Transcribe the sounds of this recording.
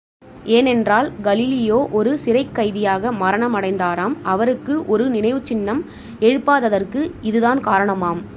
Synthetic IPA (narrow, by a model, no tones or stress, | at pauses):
ʔeːnɛndraːlɡɐlɪlɪjoːʔɔɾɯsɪɾɐɪkːɐɪðɪjaːɣɐmɐɾɐɳɐmɐɽɐɪnd̪aːɾaːmʔɐʋɐɾɯkːɯʔɔɾɯnɪɳɐɪʋɯt͡ʃːɪnːɐm | ɛɻɯpːaːðɐðɐrkɯɪðɯðaːnkaːɾɐɳɐmaːm